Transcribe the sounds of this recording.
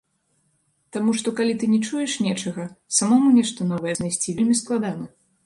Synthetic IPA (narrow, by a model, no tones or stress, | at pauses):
t̪amuʂt̪ɔkalʲit̪ɨnʲɛt͡ʂujɛʂnʲɛt͡ʂɐɣɐsamɔmunʲɛʂt̪ɐnɔvɐjɛznajsʲt͡sʲivʲɛlʲmʲisklˠad̪anɐ